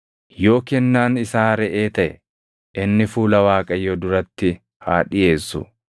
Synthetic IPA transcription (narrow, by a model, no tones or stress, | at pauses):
jo̞ːkɛnːaːnɪsaːɾɛʔe̞ːt̪ɐʔɛ | ʔɪnːɪfuːlɐwaːkʼɐjːɔd̪ʊɾɐt̪ːɪ | haːᶑɪje̞ːsːʊ̰